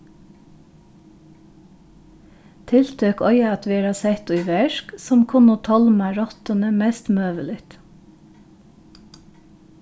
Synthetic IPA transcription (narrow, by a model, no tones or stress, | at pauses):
t̪ʰɪlt̪ʰøːkɔʏɑɑt̪ʋiːɾɑsɛt̪ʉʋɛʃksɔmkʰʊnoːt̪ʰɔlmæɾɔt̪ənəmɛst̪møːʋəlɪt̪